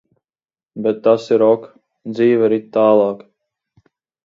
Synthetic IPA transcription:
bɛt̪ːasiɾɔk | d̪ziːvaɾit̪̚ʲt̪aːlˠɑːk

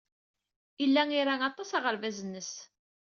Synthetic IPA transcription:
ilːæŋiɾaŋɑt̪ˤːɑsɑʁəɾvæzənːəs

